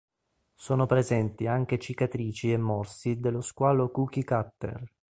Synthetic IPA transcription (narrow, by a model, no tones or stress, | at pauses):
soːnopɾezɛnt̪iaŋk̟et͡ʃikat̪ɾiːt͡ʃiɛmːɔrsid̪elːoskwaːlokuk̟ikat̪ːḛr